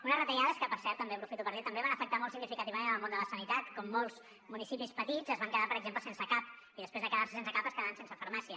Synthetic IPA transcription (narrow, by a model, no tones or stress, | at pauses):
unəzrət̪əʎaðəskəpəɾsɛɾt̪ːəmbepɾufit̪upəɾðit̪əmbeβanəfək̚t̪amɔlˠsiɣɡnifikət̪iβəmenəlˠmõnd̪ələsənit̪at̪kɔmːolˠz̥ | munisipispət̪izəzβaŋkəðapəɾəɡzempləsensəkap̚ | iðəspɾezðəkəðaɾsə̥sensəkapəskəðaansensəfəɾmasiə